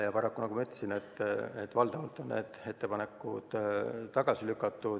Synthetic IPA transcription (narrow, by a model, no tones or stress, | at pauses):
jɑpɑɾɑkːunɑkumɑyt̪ːle̥sinet̪ːet̪ːˑvɑld̪̥ɑvɑlt̪ːˑo̞nːne̞̰ːd̪̥e̞t̪ːe̞pɑne̞kːˑud̪̥t̪ːɑɡ̥ɑsilykːˑɑt̪ːˑu